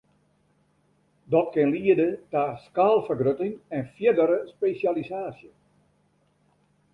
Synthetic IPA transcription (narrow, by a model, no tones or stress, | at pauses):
dɔt̚kɪnliədətaskaːlˠfərɡrøtɪŋɛnfjɪdəɾəspesjalisaːsjə